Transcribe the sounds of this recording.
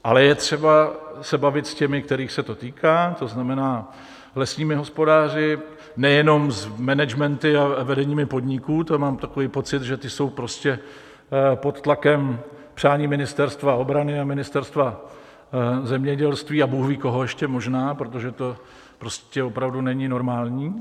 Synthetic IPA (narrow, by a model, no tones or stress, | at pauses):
ʔa̰lɛjɛt̪r̝̥ɛbasɛbavɪt̪scɛmɪk̚t̪ɛɾiːxsɛt̪o̞t̪iːkaːt̪o̞znamɛnaː | lɛsɲiːmɪɦo̞spo̞daːrɪ | nɛjɛno̞mzmɛnɛd͡ʒmɛnt̪ɪavɛdɛɲiːmɪpo̞d̪ɲɪkuːt̪omaːmt̪ako̞viːpo̞t͡sɪt̪ʒɛt̪ɪso̞wpɾo̞scɛ | po̞t̪t̪lakɛm | pr̝̥aːɲiːmɪnɪst̪ɛɾst̪vao̞bɾanɪamɪnɪst̪ɛɾst̪va | zɛmɲɛɟɛlst̪viːabuːxviːko̞ɦo̞jɛʃcɛmo̞ʒnaːpɾot̪̬o̞ʒɛt̪o̞ | pɾoscɛopɾavdunɛɲɪno̞ɾmaːlɲiː